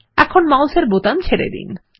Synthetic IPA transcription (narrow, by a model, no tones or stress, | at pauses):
ɛkʰonmawʃeɾbot̪amt͡ɕʰeɾḛd̪ḭn